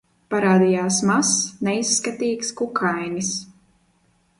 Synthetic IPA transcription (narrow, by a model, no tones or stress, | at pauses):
paɾaːd̪ijaːsmasnɛisːkat̪iːkskukʰajnis